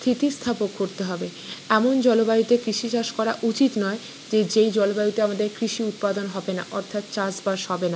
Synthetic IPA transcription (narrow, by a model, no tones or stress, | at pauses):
st̪ʰit̪ist̪ʰapokːoɾt̪eɦɔbe | ɛmond͡ʑɔlobajut̪ekɾiʃit͡ɕaʃkɔɾaʔut͡ɕit̪nɔe | d͡ʑed͡ʑejd͡ʑɔlobajut̪eamad̪eɾkɾiʃiut̪̚pad̪onɦɔbena̰ʔɔɾt̪ʰat̪t͡ɕasbaɾʃhɔbena